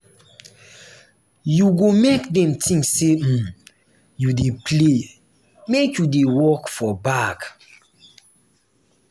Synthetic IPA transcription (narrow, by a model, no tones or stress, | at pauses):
juɡomekdɛ̃mtʰĩŋksːe | judepʰle | mekjudewɔkfɔbak